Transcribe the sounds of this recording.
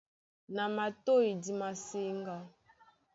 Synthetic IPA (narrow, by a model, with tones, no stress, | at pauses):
na˨ma˨to˦i˨di˨ma˨se˦ŋɡa˦